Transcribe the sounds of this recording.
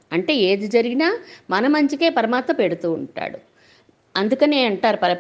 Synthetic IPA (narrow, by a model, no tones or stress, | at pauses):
ɐɳʈe̞ːeːd̪id͡ʒɐɾiɡinaːmɐnɐmɐɲt͡ʃike̞ːpɐɾɐmaːt̪mɐmpe̞ɽut̪uːɳʈa̰ːɽu | ɐnd̪ukɐneːɐɳʈaːɾupɐɾɐ